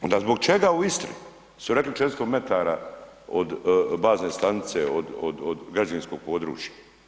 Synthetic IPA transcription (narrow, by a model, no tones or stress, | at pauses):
o̞nd̪azbo̞ɡ̚t͡ʃeɡauist̪ɾḭ | suɾeklit͡ʃet̪st̪ome̞t̪aːɾaod̪baːznest̪anit̪seod̪o̰d̪od̪ɡɾad͡ʒainsko̞ɡ̥̚po̞ːd̪ɾṵːt͡ʃjḁ